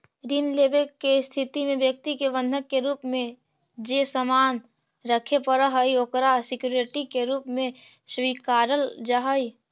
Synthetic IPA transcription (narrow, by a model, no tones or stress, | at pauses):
ɾiːnlebekːest̪ʰɪt̪imẽbjək̚t̪ikeʋə̃nd̪ʱəkːeɾuːpmẽ | d͡ʒesəmaːn | ɾəkʰepəɾəɦəiokɾasɪkjuːɾɪʈikeɾuːpmẽswiːkaːɾəld͡ʒaɦəi